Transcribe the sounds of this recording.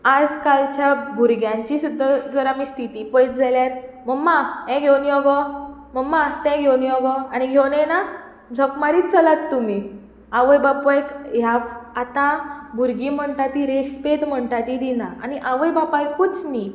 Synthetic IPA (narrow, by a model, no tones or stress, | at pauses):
ad͡zkalt͡ɕjabʱuɾɡjãɲt͡ɕisud̪ːad͡zəɾamist̪ʰit̪ipəjt̪̚d͡zaljaɾ | məmːaɛ̃ɡʱewniɔɡɔməmːat̪ɛ̃ɡʱewniɔɡɔaniɡʱewnɛna | d͡zʱɔkmaɾiːt͡səlatt̪ːumi | aʋəjbapɔjkjaat̪ãbʱuɾɡim̤əɳʈ̪at̪iɾeɕspet̪m̤əɳʈ̪at̪id̪inaaniʔaʋəjbapajkːut͡sni